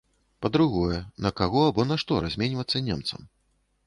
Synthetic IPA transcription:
pɐd̪ɾuɣɔjɛnɐkaɣɔabɔnaʂt̪ɔɾazʲmʲenʲvɐt̪sːɐnʲɛmt̪sɐ̰m

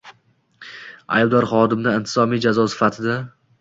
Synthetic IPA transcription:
a̰jbd̪ɒɾχɒd̪ɪmnaɪnt̪ʰɪ̥zɒmijd͡ʒazɒsɪ̥fat̪ʰɪd̪a

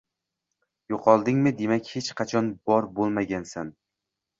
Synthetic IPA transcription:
joqʰɒlˠd̪ɪŋmɪd̪e̞makʲhet͡ʃqʰɑt͡ʃʰɒnbɒɾbolˠmaɡʲansan

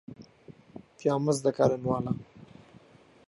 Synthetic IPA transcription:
pjɑːməzd̪akaɾɪnwɑːla

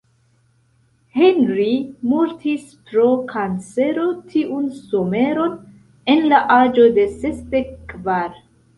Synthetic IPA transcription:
henɾimuɾtispɾo̞kʰant͡se̞ɾo̞tʰiʔunsome̞ɾo̞n | e̞nlaʔad͡ʒo̞de̞se̞sde̞kːvaɾ

